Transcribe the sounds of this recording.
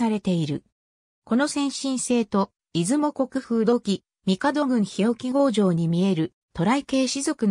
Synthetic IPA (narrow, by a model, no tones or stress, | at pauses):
aɾe̞t̪e̞iɾɯ̟̰ | ko̞no̞sẽ̞ɰ̃ɕĩɰ̃se̞ːt̪o̞ | izɨmo̞ko̞kɯ̟ɸɯ̟ːd̪o̞kʲi | mʲikad̪o̞ɡɯ̟̃ɰ̃çijo̞kʲiɡo̞ːʑo̞ːɲ̟imʲie̞ɾɯ̟ | t̪o̞ɾaike̞ːɕizo̞kɯ̟n